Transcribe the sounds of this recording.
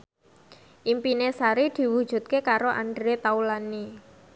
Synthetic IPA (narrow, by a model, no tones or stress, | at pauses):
ʔimpinesaɾid̪̥i̤wud̥ʒ̥ṳt̪̚kekaɾoʔaɳɖɾet̪aulani